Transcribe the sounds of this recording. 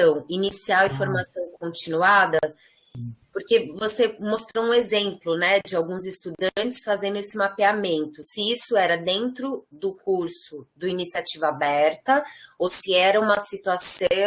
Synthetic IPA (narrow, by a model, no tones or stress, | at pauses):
ɐ̃w̃inisiawĩfoɾmasɐ̃w̃kõnt͡ʃinuad̪ɐ | poɾkevosemost̪ɾoũezẽmplʊnɛd͡ʒɪawɡũzɪst̪ud̪ɐ̃nt͡ʃɪ̥sfazẽnd̪ʊesɪmapeamẽnt̪ʊsɪisʊɛɾɐd̪ẽnt̪ɾʊd̪ʊkuɾsʊd̪ʊinisiat͡ʃivɐabɛɾt̪ɐowsɪɛɾɐũmɐsit̪uasɐ̃